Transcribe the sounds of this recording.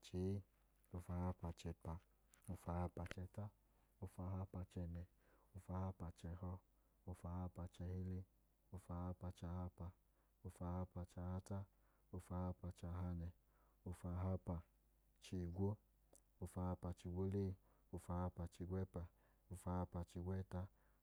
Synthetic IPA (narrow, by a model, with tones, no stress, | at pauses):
t͡ʃe˨˦ | o˧fa˧ha˧pa˧t͡ʃɛ˧pa˧ | o˧fa˧ha˧pa˧t͡ʃɛ˧ta˦ | o˧fa˧˦ɦa˦pa˧t͡ʃɛ˧nɛ˧ | o˧fa˧ha˧pa˧t͡ʃɛ˧hɔ˧ | o˧fa˧ha˧pa˧t͡ʃɛ˧hi˦le˦ | o˧fa˧ha˦pa˧t͡ʃa˧ha˧pa˧ | o˧fa˧ha˧pa˧t͡ʃa˧ha˧ta˦ | o˧fa˧ha˧pa˧t͡ʃa˧ɦa˧ɲɛ˧ | o˧fa˧ɦa˦pa˧ | t͡ʃi˨˧˨ɡʷo˦ | o˧fa˧ha˧pa˧t͡ʃi˧ɡʷo˦leː˦˨ | o˧fa˧ha˧pa˧t͡ʃi˧ɡʷɛ˦pa˧ | o˧fa˧ha˧pa˧t͡ʃi˧ɡʷɛ˦ta˦